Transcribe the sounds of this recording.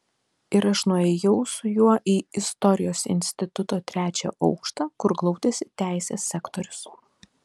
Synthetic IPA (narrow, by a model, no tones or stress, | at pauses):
ɪɾɐʃnʊɛjɛʊsʊjuɔʔiːɪst̪ɔɾʲɪjoːsɪ̰nʲsʲt̪ʲɪt̪ʊt̪oːt̪ʲɾʲæːt͡ʃʲɛ̰ːʔɒʊkʃt̪ɑːkʊɾɡlˠɒʊd̪ʲesʲɪt̪ʲæˑɪsʲeːsʲːækt̪oɾʲʊs